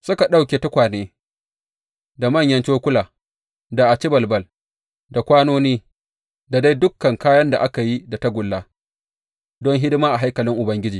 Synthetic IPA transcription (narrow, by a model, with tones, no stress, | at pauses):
sʊ˦ka˨ɗa˦wkʲeː˨ta˦kʷaː˨neː˦ | da˨mɐ˦˨ɲjɐ˦nt͡ʃoː˦kʷʊ˦laː˨ | da˨ʔa˨t͡ʃɪ˦bɐ˨lbɐ˦l | da˨kʷaː˦noː˦niː˦ | da˨da˦jdʊ˦kːɐ˨ŋkaː˦jɐ˦nda̰˨ʔa˦ka˨ji˦da˨ta˦ɡʷʊ˨lːaː˦ | dɔ˦ŋɦɪ˦dɪ˦maː˦ʔa˨ɦa˦jkɐ˨lɪ˦ŋʔʊ˨bɐ˦ŋɡʲɪ˦d͡ʒiː˨